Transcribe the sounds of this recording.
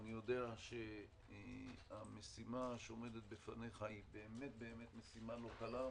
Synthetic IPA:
anijo̞d̪e̞aʃe̞ | ame̞simaʃeome̞det̪̚befane̞χaibeːme̞t̪̚be̞ːme̞t̪me̞simalo̞kala

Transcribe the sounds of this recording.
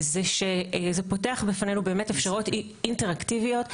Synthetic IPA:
zeʃezepo̞te̞aχbifanenubeːme̞tefʃaʁot | inteʁaktivijo̞t

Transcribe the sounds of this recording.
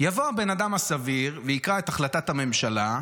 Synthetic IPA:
javo̞abe̞nadamasaviʁveikʁae̞t̪aχlatathame̞mʃala

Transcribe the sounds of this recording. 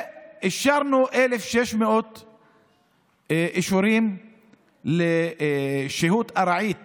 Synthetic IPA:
ʔɪʃɑɾnuʔelefʃeʃmeʔot̪ | ʔiʃuɾiːm | le | ʃehuːt̪ʔaɾˤɑʕiːt̪

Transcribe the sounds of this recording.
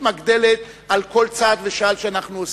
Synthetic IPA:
maɡd̪e̞let̪ | alko̞lt͡sad̪veʃalʃeanaχnuos

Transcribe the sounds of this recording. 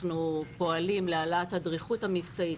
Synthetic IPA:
nupo̞alimlealathadʁiχutamift͡sai

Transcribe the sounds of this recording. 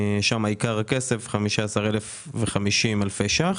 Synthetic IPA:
ʃamaikaʁakesefχamiʃaːsaʁelef | veχamiʃimalfeʃaχ

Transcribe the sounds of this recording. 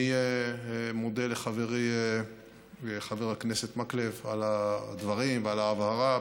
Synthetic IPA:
ije | mod̪eleχaveʁe | eχaveʁakneset̪maklevalad̪vaʁimvealaːvhaʁa

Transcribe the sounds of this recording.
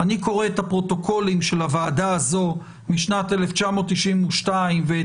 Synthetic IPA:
aniko̞ʁeethapʁo̞to̞kʰo̞limʃe̞lavaːdaazo̞ | miʃnateleft͡ʃamo̞t̪ːiʃimuʃtaimve

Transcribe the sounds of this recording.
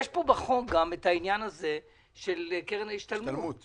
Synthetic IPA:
jeʃpobaχoɡamethainjanaze̞ | ʃe̞lkeʁenaiʃt̪almuu

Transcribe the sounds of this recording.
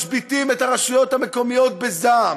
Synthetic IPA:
ʃbit̪imetaʁaʃujo̞t̪hameko̞mijo̞t̪̚bezam

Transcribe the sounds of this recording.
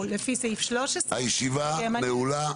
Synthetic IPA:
lːefiseifʃloʃesajiʃivaamaeula

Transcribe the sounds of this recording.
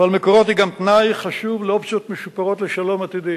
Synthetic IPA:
valmekoʁot̪hiɡamt̪najχaʃuvleopt͡ʃjot̪meʃupaʁo̞t̪leʃalo̞mat̪id̪i

